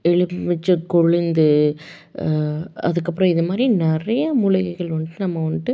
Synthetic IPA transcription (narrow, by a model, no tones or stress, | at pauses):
ɛɭɯmɪt͡ʃːɐkɔɭɪnd̪ɯ | ɐ̰ðɯkːɐpːɯɾɔ̃ɪðɐmaːd̪ɾinɛrɐjɐmʊlɐɣɐɣɐɭʋɐnːɯʈːɯnɐmːɐʋɐnːʈːɯ